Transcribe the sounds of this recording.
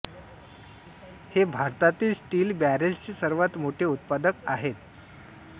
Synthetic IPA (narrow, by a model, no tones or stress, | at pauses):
hebʱaɾt̪at̪iːlsʈiːlbæɾelt͡ɕesəɾʋat̪moʈʰeut̪̚pad̪əkaɦet̪